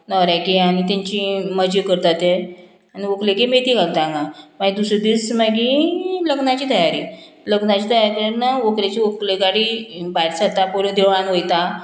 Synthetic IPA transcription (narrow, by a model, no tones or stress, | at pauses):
nɔɾjakiañit̪̬ãɲt͡ɕiməd͡ʑikəɾt̪at̪e | aniʋokleɡemet̪iɡaɡ̚d̪ãŋɡamaɡid̪usɾəd̪ismaɡĩləɡnat͡ɕiːt̪əjaɾi | ləɡnat͡ɕiːt̪əjaɾkəɾnaʋokɾat͡ɕiʋokleɡaɽibajɾsat̪ːapolõd̪ʱeʋɭãnʋəjt̪a